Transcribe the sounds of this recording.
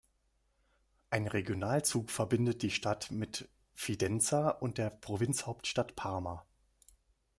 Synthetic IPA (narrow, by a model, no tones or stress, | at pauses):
ʔaɪnʁeɡjonaːlt͡suːkfɛɐbɪndət̚d̥iːʃtatmɪt | fidɛnt͡saʊnt̚d̥eːɐpʁ̥ovɪnt͡shaʊptʃtatpʰaɐma